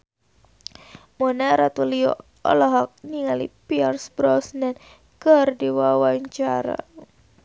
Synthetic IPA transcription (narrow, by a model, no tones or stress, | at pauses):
mɔnaɾat̪uliɔ̰ | ɔ̰lɔɦɔk̚niŋalḭpiarsbɾɔsnɛn | kərdiwawaɲt͡ʃaɾa̰